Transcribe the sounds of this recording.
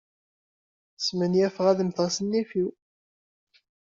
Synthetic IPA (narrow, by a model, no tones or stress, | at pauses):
smənjæfʁæðmθəʁsənːifiw